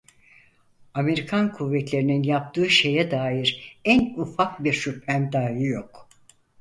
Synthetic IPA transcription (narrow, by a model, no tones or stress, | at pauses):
ame̞ɾikʰankʰuvːɛt̪lʲe̞ɾininjap̚t̪ʰɯːʃe̞jɛd̪aːjiɾænufak̚biɾʃyphæmd̪aːjijok